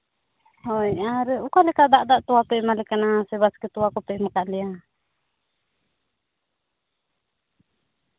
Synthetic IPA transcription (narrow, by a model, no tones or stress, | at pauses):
hɔjaɾɛukalɛkad̪aʔd̪aʔt̪uapɛmalɛkanasɛbaskit̪uakɔpɛʔmakaʔlia